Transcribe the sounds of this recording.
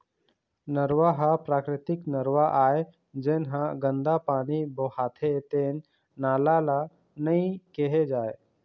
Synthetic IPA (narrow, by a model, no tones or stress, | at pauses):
nəɾwaɦapɾaːkɾɪt̪ɪknəɾwaʔaːe | d͡ʒenɦãɡə̃nd̪apaːnibohaːt̪ʰet̪enː | aːlala | nəĩkeɦed͡ʒaːe